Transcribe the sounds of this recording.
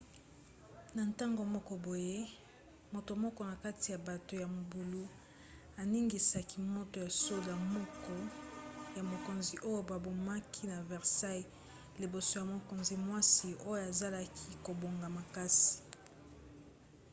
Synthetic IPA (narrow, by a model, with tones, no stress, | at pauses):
na˨nta˦ŋɡo˨mɔ˦kɔ˦bo˨je˦ | mo˨to˨mɔ˦kɔ˦na˨ka˦ti˨ja˨ba˨to˨ja˨m˨bu˨lu˦ | a˨ni˦ŋɡi˨sa˨ki˦mo˦to˨ja˨so˦la˨mɔ˦kɔ˦ja˨mo˨ko˨nzi˨ʔo˦jo˦ba˨bo˨ma˦kʰi˦na˨vɛ˨ʁsa˦j | le˨bo˨so˨ja˨mo˨ko˨nzi˨˦mwa˦si˨o˦jo˦a˨za˦la˦kʰi˦ko˨bo˨ŋɡa˨ma˨ka˦si̥˨